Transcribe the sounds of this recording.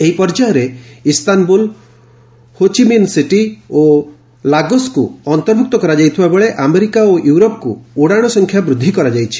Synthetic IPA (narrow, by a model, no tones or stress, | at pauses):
eɦipɔɾd͡ʒaɔɾeist̪anbul | hot͡ʃiminsiʈio | laɡɔskuɔnt̪ɔɾbʱuk̚t̪ɔkɔɾad͡ʒajt̪ʰibabeɭeʔameɾikaojuwɾopkuuɽaɽ̃ɔsɔŋkʰjabɾud̪ʱːikɔɾad͡ʒajt͡ʃʰi̥